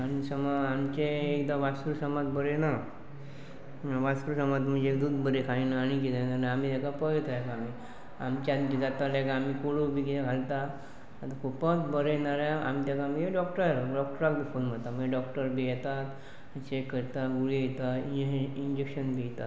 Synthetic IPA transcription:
añisəmaamt͡ɕeːkd̪aʋasuɾsəmad̪bəɾena | ʋasɾusəmad̪m̤əɳd͡ʑeːkd̪uːd̪bəɾekʰainaañiked̪anaɾnaamit̪ɛkapəjt̪ajɛkaami | a̰mt͡ɕad̪kid͡zat̪alɛkaamikoɽubikitakʰalt̪a | ət̪akʰupət̪bəɾenaɾjaa̰mit̪akaməeɖɔkʈəɾɾɖɔk̚ʈəɾak̚bifonm̤əɽt̪am̤ə̃d͡ʑeɖɔkʈəɾbʱijɛt̪at̪ | t͡ɕekːəɾt̪aɡuɭijɛt̪aiiɲd͡ʑekɕənbʱijɛt̪at̪

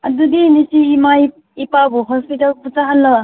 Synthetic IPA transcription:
ɐdudinisiːmaj | ipabuɦɔspitalpusaɦanːɐba

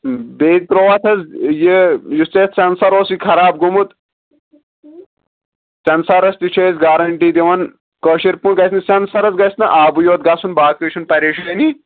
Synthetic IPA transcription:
beːd͡ʒt̪ɾoːʋɐt̪ʰɐzjijust͡seːt̪t͡sɐnsɐɾoːsikʰɐɾaːb̚ɡumut̪ | t͡sɐnsɐɾɐst̪it͡ʃʰeːzɡaːɾɐɳʈiːd̪iʋɐn | koːʃiɾpunɡɐsnɨsɐnsɐɾɐzɡɐsnɐʔaːbujoːt̪̚ɡɐsunbaːkɨːʃʰunpɐɾeːʃɐlɐni

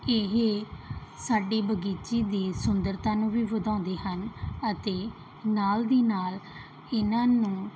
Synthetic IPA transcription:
ɪɦ | saːɖiːbəɡiːt͡ʃiːd̪iːsʊnd̪əɾt̪ãːnũːʋiːʋəd̪ãːnd̪eːɦənət̪eː | naːld̪iːnaːl | ɪnãːnũː

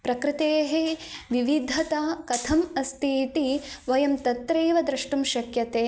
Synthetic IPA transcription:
pɾɐkɾɪt̪eːɦeʋiʋid̪ʱɐt̪ɐkɐt̪ʰɐmɐst̪ʰiːt̪iʋɐjɐmt̪ɐt̪ɾeːʋɐd̪ɾɐʂʈumʃɐkjɐt̪eː

